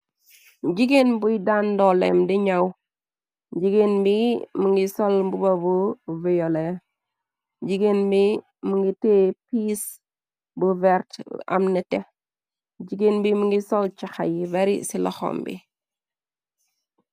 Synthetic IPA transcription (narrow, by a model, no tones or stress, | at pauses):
d͡ʒiɡenbujdandolḛmdiɲaw | d͡ʒiɡenbimuŋɡisolbubabuvijole | d͡ʒiɡenbi | muŋɡitepis | buvɛɾta̰mnite | d͡ʒiɡenbimuŋɡisolt͡ʃaxajbeɾḭsila̰xo̰mbḭ